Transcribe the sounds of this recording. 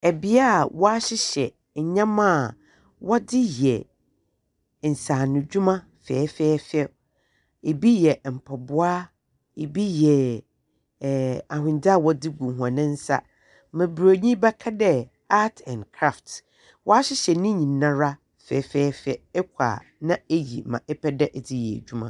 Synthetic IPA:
ɛ˨bi˦a˦˨wɔ˦a˦ɕɪ˦ɕɛ˨ | ɲ̩˨ɲã˦mã˦˨ | wɔ˦dɪ˦jɛ˨ | n̩˨sã˨nʊ̃˨d͡ʑᶣu˦mã˦ | fɛː˨˦fɛː˦fɛ˦ | e˨bi˦jɛ˨m̩˨pʰɔ˨bʊ˦a˦ | e˨bi˦jɛ˨ | a˨hʊ̃˨n˨da˦˨wɔ˦dɪ˦ɡũ˨ɦu˨ã˨nɪ̃˦n̩˦sa̰˦ | mɪ̃˨bɾo˨ɲĩ˦bɛ˦kʰa˦dɛ˦ | a˦tʰɛ̃˨nkʰɾa˦˨ft | wʔɔ˦a˦ɕɪ˦ɕɛ˨nɪ̃˦ɲĩ˨nːã˦ɾa˦ | fɛː˨˦fɛː˦fɛ˦ɛ˦kʷʰa̰ː˨nã˦e˦jḭ˨mã˨ʔɛ˦pʰɛ˦dɛ˦ʔɛ˨dɪ˦jɛ˨d͡ʑᶣu˦mã˦˨

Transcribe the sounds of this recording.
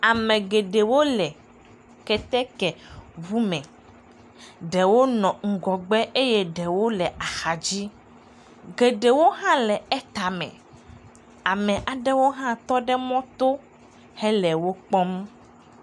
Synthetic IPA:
a˨mɛ̃˨ɡe˨ɖe˨wo˦lɛ˨ | kɛ˦t̪ɛ˦kɛ˨vu˦mɛ̃˨ | ɖɛ˨wo˦nɔ̃˨ŋ̩˨ɡɔ˨ɡ͡bɛ˦ʔe˦je˦ɖɛ˨wo˦lɛ˨ʔa˨xa˨d͡ʑi˦ | ɡe˨ɖe˨wo˦ɦã˦lɛ˨ɛ˦t̪a˨mɛ̰̃˨ | a˨mɛ̃˨ʔa˨ɖɛ˦wo˦ɦã˦t̪ɔ˦ɖɛ˦mɔ̃˦t̪o˦ | hɛ˦lɛ˨wo˦k͡pɔ˦m

